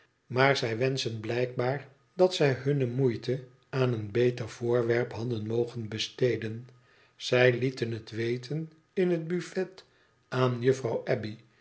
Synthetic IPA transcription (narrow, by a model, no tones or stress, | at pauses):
maːɹzɛjʋɛnsənblɛjk̚baːɹ | dɑtsɛjɦɵnəmujtə | aːnənbejtəɹv̥ʊːɹʋɛɹpɦɑdənmowχənbəstejdən | z̥ɛjlitənɦətʋejtʰən | ɪnɦəd̚byfɛt | aːnjəfrɑwʔɛbi